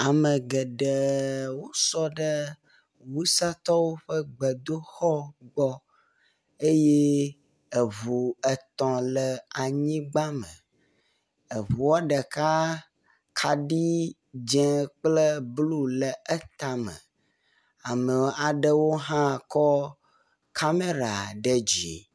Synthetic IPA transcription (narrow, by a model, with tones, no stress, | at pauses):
a˨mə̃˨ɡə˨ɖə˨wo˦sɔ˦ɖə˦ | wu˦sa˦t̪ɔ˦wo˦ɸə˦ɡ͡bə˨d̪o˦xɔ˦ɡ͡bɔ˦ | e˦je˦ | ə˨βu˨ə˨t̪ɔ̃˨lə˨a˨ɲĩ˦ɡ͡ba˦mə̰˨ | ə˨βu˨wɔ˦ɖə˨ka˦ | kʰa˨ɖi˦ | d͡ʒɛ̃˦k͡plə˦blu˦lə˨ʔə˦t̪a˨mə̰̃˨ | a˨me˨a˨ɖə˦wo˦ɦã˦kɔ˦ | kʰa˦me˦ɾa˨ɖə˨d͡ʒi˨